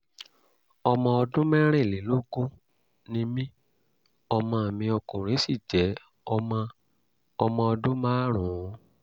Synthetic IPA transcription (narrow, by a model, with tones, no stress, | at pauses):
ɔ˧mɔ̃˧ɔ˧dũ˦mɛ˦ɾ̃ɛ̃˦˨le˨˦lo˦ɡo˦ | nĩ˧˦mĩ˦ | ɔ˧mã˧a˨mĩ˧ɔ˧kũ˨ɾe˨˦si˦˨d͡ʒɛ˨˦ | ɔ˧mã˧ | ɔ˧mɔ̃˧ɔ˧dũ˦mã˦ɾ̃ũ˨˦